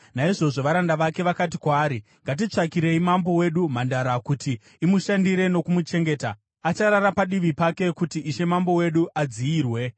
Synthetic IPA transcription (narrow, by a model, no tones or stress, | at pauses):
naiʐo̞ʐo̞ʋaɾandaʋake̞ʋakat̬ikwaːɾi | ŋɡat̬it͡ʂakiɾe̞imambo̞we̞ɗum̤andaɾakuti | imuʃandiɾe̞no̞kumut͡ʃe̞ŋɡe̞ːta | at͡ʃaɾaɾapaɗiʋipake̞kutiːʃe̞mambo̞we̞ɗuʔad͡ziiːrwe̞